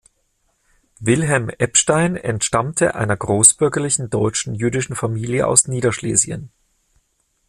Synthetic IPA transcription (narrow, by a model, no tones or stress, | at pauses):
vɪlɦɛlmʔɛpʃtaɪnɛ̰ntʃtamtʰə̰ʔa̰ɪnɐɡʁoːsb̥ʏɐɡɐlɪçn̩dɔʏt͡ʃn̩jyːdɪʃn̩famiːljəʔa̰ʊsniːdɐʃlḛːzjə̰n